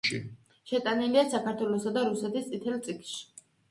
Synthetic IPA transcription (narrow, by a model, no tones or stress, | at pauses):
ʃḭ | ʃɛt̪ʼanɛliasakʰaɾt̪ʰwɛlˠɔsad̪aɾusɛt̪ist̪sʼit̪ʰɛlt̪sʼikʰʃi̥